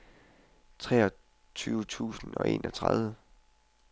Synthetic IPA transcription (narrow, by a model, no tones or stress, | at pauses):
t͡sʰʁɛːɒ | t͡sʰyːʊt͡sʰṵːsn̩ɒ̽ʔe̝̰ːnʔɒ̽t͡sʰʁɑðˠʋə